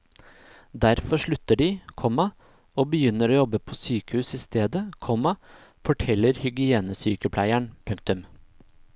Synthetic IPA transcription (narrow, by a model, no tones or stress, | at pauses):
d̪æɾfɔʂɭʉt̪ːəɖɪkʰɔmːɑ | oːbəjʏnːəɾoːjɔbːəpʰoːsyːkəhʉːsɪst̪eːd̪əkʰɔmːɑ | fɔʈʰɛlːəɾhʏɡɪeːnəsyːkəpʰlæɪæɳpʰʉŋk̚t̪ʉm